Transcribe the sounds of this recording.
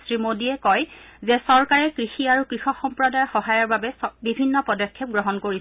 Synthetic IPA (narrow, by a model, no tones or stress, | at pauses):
sɹimodiɛkɔjzɛsɔɹkaɹɛkɹixiaɹukɹixɔxɔmpɹɔdajxɔɦajɔɹbabɛsbibʱinːɔpɔdɔkʰjɔp̚ɡɹɔɦɔnkoɹi